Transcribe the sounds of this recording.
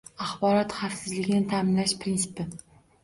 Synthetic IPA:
aχbɒɾɒt̪χafsɪzlɪɡʲɪnɪt̪ʰamɪnlaʃpɾɪnsɪ̥pɪ

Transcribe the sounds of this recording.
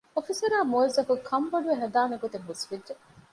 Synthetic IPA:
ofisɐɾaːmoizɐkukʰɐmʋɐɖuʋeɦɐd̪aːmeɡot̪eŋɦusʋidd͡ʒe

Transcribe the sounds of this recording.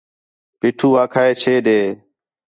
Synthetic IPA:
piːʈʰuːaːkʰaːeːt͡ʃʰeːɗeː

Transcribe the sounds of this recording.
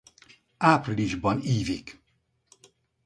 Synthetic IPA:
aːpriliʒbɒniːvik

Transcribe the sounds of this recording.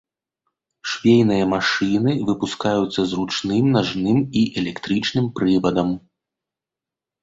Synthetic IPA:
ʂvʲejnɨjɐmaʂɨnɨvɨpuskajut̪sːɐzrut͡ʂnɨmnaʐnɨmiʔɛlʲɛkt̪ɾɨt͡ʂnɨmpɾɨvɐd̪ɐm

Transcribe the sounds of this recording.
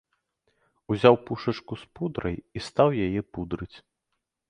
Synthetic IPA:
uzʲawpuʂɐt͡ʂkuspud̪ɾɐjist̪awjajɛpud̪ɾɨt͡sʲ

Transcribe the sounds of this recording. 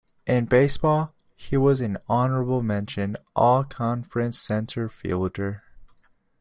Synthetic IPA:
ʔɪ̃nbeɪsb̥ɔlˠ | iwʌzɨ̃nɑnə˞əbl̩ˠmɛ̃nʃɨ̃nʔɔlˠkʰɑ̃ɱfɹɨ̃nsɛ̃ntʰə˞fḭlˠdə˞

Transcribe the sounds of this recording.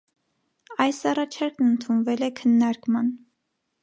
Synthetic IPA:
ɑjsɑrɑt͡ʃʰɑɾknənt̪ʰunvɛlɛkʰənːɑɾkmɑn

